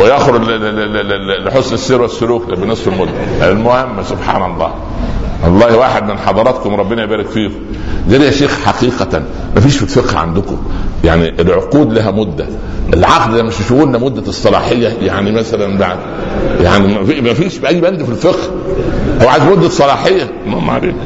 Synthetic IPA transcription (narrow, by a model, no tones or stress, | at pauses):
wejæxɾ | lħosnesːeːɾwæsːʊluːklebinesˤfelmod̪ːæ̰ʔælmohemːsobħa̰ːnɑlˤːɑ̰ː | wɑlˤːɑːhwaːħed̪menħɑd̪ˤɑɾˤɑt̪komɾˤɑbːenæʔebæːɾækfiːkʊ | zælihæʃeːxħɑqiːqæ | mæfiːʃfilfeqhʕa̰nd̪ʊko̰jaʕniʔelʕoquːd̪læɦæmod̪ːæ | ʔelʕɑqd̪læmːeʃʃoɣuːnlæmod̪ːæsˤːɑlɑ̰ːħejːæjaʕnimæsælænbaʕd̪ | jaʕnimæfimæfiːʃbʔæjːbænd̪filfeqh | hæwʕaːzmod̪ːæsˤːɑlɑːħejːæelmʊhem̰ːʕa̰lḛːk